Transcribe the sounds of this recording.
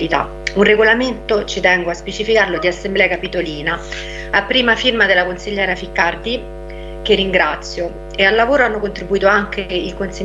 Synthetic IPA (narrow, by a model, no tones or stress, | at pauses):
it̪a̰ | unreɡolament̪ot͡ʃit̪ɛŋɡoaspet͡ʃifikarlod̪iasːemblɛːakapit̪oliːna | apːɾiːmafirmad̪elːakonsiʎːɛːɾafikːard̪i | kerːiŋɡɾat̪sːjo | ealːavoːɾoanːokont̪ɾibuiːt̪oaŋk̟eilkonsi